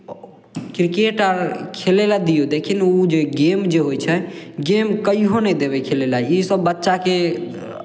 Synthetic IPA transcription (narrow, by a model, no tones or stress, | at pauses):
kɾikeʈaɾkʰelelad̪ijod̪ekʰinud͡ʒeɡemd͡ʒeɦojt͡ʃʰɛɡemkəiɦonəd̪eβekʰelelaisəbːətːʃake